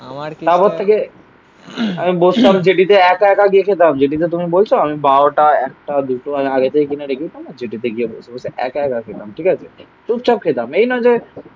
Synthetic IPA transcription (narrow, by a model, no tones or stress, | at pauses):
t̪apɔt̪ʰːeke | ɐmĩbost̪amd͡ʒeʈit̪̬eɛːkɛkaɡiekʰet̪̬amd͡ʒeʈit̪̬et̪̬ʊmĩboːlt͡ʃʰoɐmĩbaːwʈaɛːk̚ʈad̪uʈoɐmĩaːɡet̪eikineɖekʰit̪amad͡ʒeʈit̪eɡiebo̰ːlsʰooseʔɛ̰kɛːkakʰet̪amʈʰiːkat͡ʃʰe | ʈup̚t͡ʃɐp̚kʰet̪aːmeinɔ̃d͡ʒe